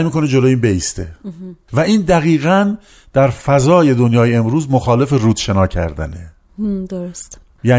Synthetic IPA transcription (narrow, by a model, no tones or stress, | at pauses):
jmiːkʰo̞ned͡ʒo̞lojiːnbeiːst̪e̞̰væiːnd̪æɣiːɣæn | d̪̥æɾfæzɒːje̞d̪onjɒːjeemɾuːzmoxɒːle̞fe̞ruːd̪̥ʃe̞nɒːcʰæ̰ɾd̪æ̰ne | d̪oɾost̪ | jæː